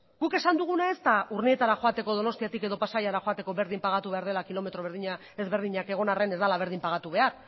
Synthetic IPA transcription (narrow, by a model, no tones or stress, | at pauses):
ɡ̥uke̞sand̪uɣ̞unae̞st̪auɾnie̞t̪aɾaxo̞at̪e̞ko̞ðo̞no̞st̪iat̪ike̞ðo̞pasajaɾaxo̞at̪e̞ko̞βe̞ɾðimpaɣ̞at̪uβe̞aɾð̞e̞lakilo̞me̞t̪ɾo̞βeɾðiɲa | e̞zβe̞ɾðiɲake̞ɣ̞o̞nare̞ne̞zd̪alaβ̞e̞ɾðimpaɣ̞at̪uβe̞aɾ